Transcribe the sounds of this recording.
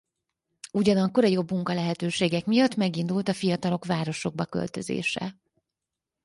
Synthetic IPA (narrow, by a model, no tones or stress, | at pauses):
uɟɒnɒkːo̞ɾɒjo̞bːmuŋkɒlɛɦɛt̪øːʃeːɡɛkmijɒt̪ːmɛɡind̪ult̪ɒfijɒt̪ɒlo̞kvaːɾo̞ʃo̞ɡ̚bɒkø̞̰lt̪ø̞zḛːʃɛ̰